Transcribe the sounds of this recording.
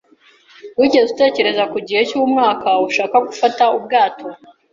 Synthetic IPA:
wiɟe̞zute̞ːce̞ɾe̞zakuɟihe̞cuumŋaːkauʃaːkaɡufataub̚ɡaːtʰo̞

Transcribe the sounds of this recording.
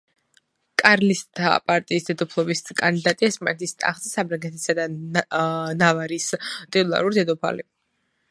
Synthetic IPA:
kʼaɾlist̪ʰa̰pʼaɾt̪ʼiːsd̪ɛd̪ɔpʰlˠɔbiskʼand̪id̪at̪ʼiɛsma̰nɛt̪ʰist̪ʼa̰χzisabɾaŋɡɛt̪ʰisad̪a | navaɾist̪ʼit̪ʼulˠa̰ɾuɾid̪ɛd̪ɔpʰa̰li

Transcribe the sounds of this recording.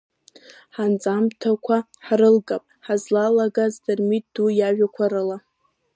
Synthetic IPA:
ħant͡sʼamtʰakʷʰaħɾɨlɡʼapʼħazlalaɡazdɨrmit̚d̥ujaʒᶣakʷʰaɾɨla

